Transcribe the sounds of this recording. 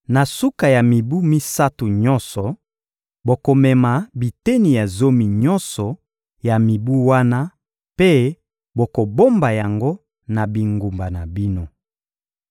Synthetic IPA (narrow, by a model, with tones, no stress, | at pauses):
na˨su˦ka˨ja˨mi˨bu˦mi˦sa˦tu˨ɲɔ˦nsɔ˨ | bo˨ko˨mɛ˨ma˨bi˨te˦ni˨ja˨zo˦mi˨ɲɔ˦nsɔ˨ | ja˨mi˨bu˦wa˦na˦ | pe˦ | bo˨ko˨bo˦mba˨ja˨ŋɡo˦ | na˨bi˨ŋɡu˨mba˨na˨bi˦no˦